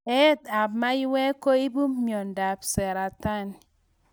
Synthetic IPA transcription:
e˦ta˨bma˦ji˦we˦ko˦i˦bu˦mmjɔ˨n˨da˨bse˨ɾa˨ta˦˨n

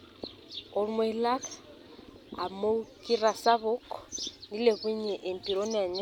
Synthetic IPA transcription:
ʊ˨lm˦e˨˦la˦kʰa | a̰˨mo˦kʼi˦ra˨sa˦βʊ˦kʰʼɔ̥ni˦le˨βwi˦ɲɛ˨ʔe˨m̩˨pʼi˨ɾo˦nɛ˨ɲɪ˦

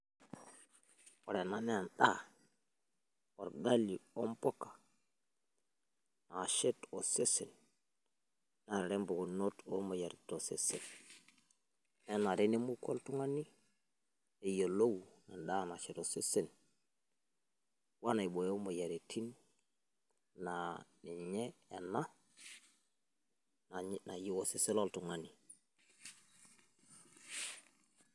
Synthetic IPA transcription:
wo˨ɾe˨na˨ne˦a˨nɗa˦ | wo˨ɾɡa˦li˨o˦mpo˦kḁ˨ | na˨ʃe˦to˨se˦se˨n | na˨ɾɾe˦mbo˨ɡo˨no˦to˦ma˨ja˨ɾi˨to˨se˦sḛ˨n | ne˦na˨ɾe˦ni˦mu˦ko̰˦ltu˦ŋa˦nːi˦ | e˨jo˨lo˦wna˨nda˦na˨ʃi˨to˨si˦si˨n | wa˦na˨i˨bo˨jo˦mo˨ja˨ɾi˨tʰi˦n | nani˨ɲe˦e˨na˦ | na˨na˨ji˦wo˨si˦si˦lo˦ltu˨ŋa˨ni˨

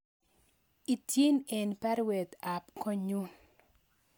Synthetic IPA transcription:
i˨tje˦nɛ˨npa˦ɾwɛ˨d̪a˨pkɔ˦ɲu˦n

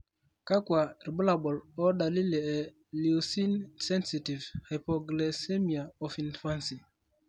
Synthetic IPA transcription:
ka˦kwa˨ɾi˨bu˦la˨ɓɔ˨lɔ˦ɗa˨li˦lɛ˨ɛ˨ | li˨u˨si˦nsɛ˦nsi˨ti˨vhe˨pɔ˨ɡle˨se˦mi˨a˨ɔ˨fi˨nfa˦nsi˨

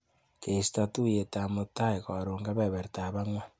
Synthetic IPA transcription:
ke˨si̥ta˨tu˦je˨ta˨mo˨ta˦e˨ko˨ɾoː˨ŋɡa˦βe˨βe˨ɾta˨βa˦ŋwa˦

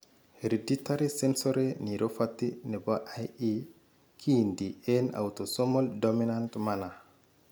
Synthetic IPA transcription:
hɾi˨di˦ta˦ɾi˦se˦nso˦ɾe˦ni˨ɾʔo˦fat̪i˦ne˨ba˦ʔaji˦ | kʰi˦ndi˨e˦na̰˨wt̪o˨so˦mo˦ldomi˦nantmana˨

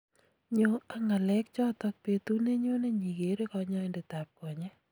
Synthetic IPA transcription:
ɲo˦a˨ŋa˨lɛ˦k̚t͡ʃɔ˦tɔ˦k̚pe˨tu˦ne˦ɲo˦ne˦ɲi˨ɡe˨ɾe˦kɔ˨ɲɔ˦ɪ˨nde˨ta˨p̚ko˨ɲɛ˦

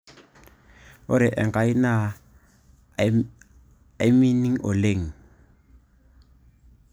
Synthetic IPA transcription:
ʊ˦ɾɪ˨ʔɛ˨ŋkʼa˦i˦na˦˨ | a˦mi˦ni˦ŋ̩˦ʔɔ˨le˦˨ŋ̩˨

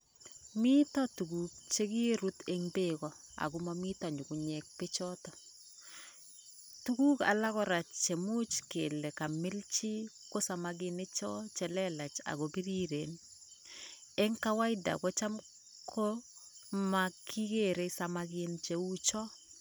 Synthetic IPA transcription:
mi˦tɔ˦tu˨ku˨k̚t͡ʃe˦ki˦ɾu˦te˦ŋbekɔ | a̰˨ɡʊ˦mami˦ta˨ɲu˨kuɲɛ˨k̚pe˦t͡ʃɔ˦tɔ˨ | tuku˦ka̰˨la˦ɣɔ˦ɾa˨t͡ʃe˨mu˦t͡ʃke˨le˨ka˨mɪ˦lt͡ʃi˦ko˦samaɡɪne˦t͡ʃɔ˦t͡ʃɛ˨lɛ˦la˨t͡ʃa̰˨ɣo˨bi˦ɾi˦ɾe˨n | e˦ŋka˦wa˦ɪ˦da̰˨ko˦t͡ʃa˦m | kʰo˦ | makʰːi˦ke˨ɾe˦sa˦makɪnt͡ʃe˨u˦t͡ʃɔ˦

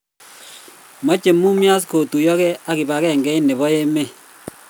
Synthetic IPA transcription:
mɔ˦t͡ʃe˨mu˦mja˦s̬ko˨tu˨jɔ˦kɛ˦a˦ki˨ba˨kɛ˦˨ŋɡɛ˦i˦ne˨βɔ˦e˦me˦˨

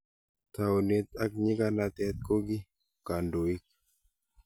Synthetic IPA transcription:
t̪a˨ʊ˨ne˦t̪a˦k̚ɲi˦ka˦na˨t̪ɛ˦t̪̚ko˦ɡi˦ | ka˨ndo˨i˦k̚

